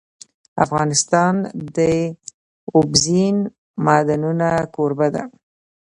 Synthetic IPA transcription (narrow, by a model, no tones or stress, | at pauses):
a̰fɣɑnɪst̪ɑnd̪ə | ʊbzin | mɑd̪anunakoɾbad̪a̰